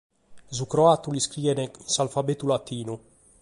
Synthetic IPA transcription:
zukɾoat̪uliskɾiːvɛneinsalfabet̪ulat̪iːnu

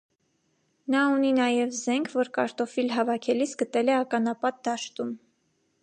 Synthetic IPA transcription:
nɑuninɑjɛvzɛŋkʰvɔɾkɑ̰ɾt̪ɔfilɦɑvɑkʰɛlisɡət̪ɛlɛɑkɑnɑpɑt̪̚d̪ɑʃt̪um

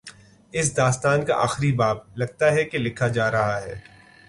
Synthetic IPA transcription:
ɪs̬d̪aːst̪aːnkaʔa̰ːxɾibaːblɐɡ̚t̪aɦɛkelɪkʰad͡ʒaːɾɐɦaɦɛː

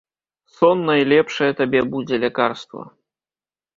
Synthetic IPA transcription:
sɔnːɐjlʲɛpʂɐjɛt̪abʲɛbud͡zʲɛlʲɛkarst̪vɐ̰

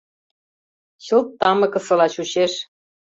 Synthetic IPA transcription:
ɕɤ̆lt̪ːɑmɤ̆kɤ̆sɤ̆lɑt͡ɕuɕeʃ

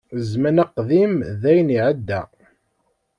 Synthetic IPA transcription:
zmənaqðimðæjniʕəd̪ːæ̰

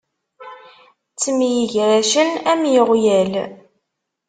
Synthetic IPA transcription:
t͡sːəmjiʝɾæʃənæmjəʁjæl

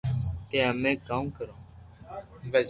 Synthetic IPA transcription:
keːəmẽːkaːmkəɾõː

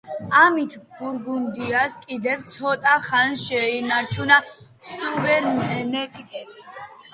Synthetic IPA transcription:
amit̪ʰɡuɾɡund̪iaskʼid̪ɛvt̪sʰɔt̪ʼaχanʃɛinaɾt͡ʃʰuna | suvɛɾmɦɛnɛt̪ʼik̪ʼɛd̪is

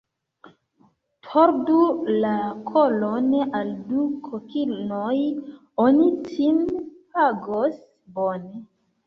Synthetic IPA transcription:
tʰoɾdulakʰolonaldukʰokilnoj | onitʰimpaɡos | bone

